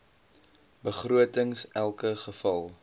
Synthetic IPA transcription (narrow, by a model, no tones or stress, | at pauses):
bəχruətəŋsʔælˠkəχəfɐlˠ